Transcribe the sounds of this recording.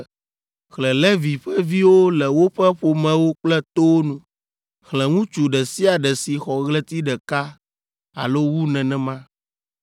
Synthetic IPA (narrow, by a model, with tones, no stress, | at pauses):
xlɛ̃˨lɛ˦vi˨ɸɛ˦vi˦wo˦lɛ˨wo˦ɸɛ˦ɸo˨mɛ̃˨wo˦k͡plɛ˦t̪o˦nũ˨ | xlɛ̃˨ŋũ˦t͡ʃu˨ɖɛ˨si˦a˨ɖɛ˨si˨xɔ˨ɣlɛ˦t̪i˦ɖɛ˨ka˦ | a̰˨lo˦wu˦nɛ̃˨nɛ̃˨mã˦